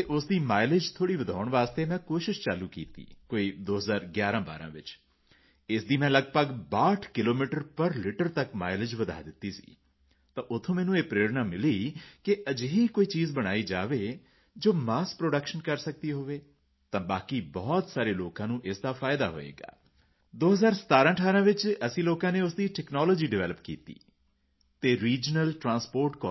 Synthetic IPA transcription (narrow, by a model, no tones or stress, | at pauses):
t̪eʔʊsd̪iːmaːɪlɪd͡ʒt̪ʰoːɽiːʋəd̪ʱaːʊɳʋaːst̪eːmɛ̃ːkoːʃɪʃt͡ʃaːluːkiːt̪ḭːkoːiːd̪oːɦəzaːɾɡjaːɾãːba̰ːɾã̰ːʋɪt͡ʃ | ɪsd̪iːmɛ̃ːləɡpəɡbaːʈʰkɪloːmiːʈəɾpəɾlɪʈəɾt̪əkmaːɪlɪd͡ʒʋəd̪ʱa̰ːd̪ɪt̪ːiːsi̥̰ː | t̪ãːʔʊt̪ʰːõːmɛːnũːeːpɾeːɾnaːmɪliːkɪʔəd͡ʒɦiːkoːiːt͡ʃiːzbəɽ̃aːiːd͡ʒaːʋeː | d͡ʒoːmaːs̚pɾoːɖəkʃənkəɾsək̚d̪iːɦoːʋeː | t̪ãːbaːkiːbɔːt̪saːɾeːloːkãːnũːʔɪsd̪aːfʰaːjd̪a̰ːɦo̰ːḛːɡa̰ː | d̪oːɦəzaːɾsə̥t̪aːɾãːʈʰaːɾãːʋɪt͡ʃəsĩːloːkãːneːʊsd̪iːʈɛːknɔːlɔːd͡ʒiːɖɪʋɛːləpkḭːt̪ḭː | t̪eːɾiːd͡ʒnəlʈɾãːnspoːɾʈkɔː